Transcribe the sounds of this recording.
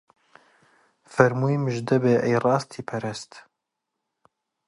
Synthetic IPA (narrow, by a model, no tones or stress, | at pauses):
fɛɾmuːimɨʒd̪ɛbeːʔɛjrɑːst̪ʰiːpʰɛɾɛst̪